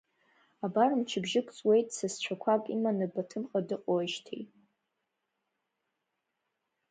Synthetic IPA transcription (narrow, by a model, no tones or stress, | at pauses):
abarɨmt͡ʃʰɪbʒɪkʷʰʼt͡sʼwe̞jtʼsast͡ɕʷʰakʷʰakʼimanɨbatʰɨmqʼadɨqʼoʃtʰḛjʼ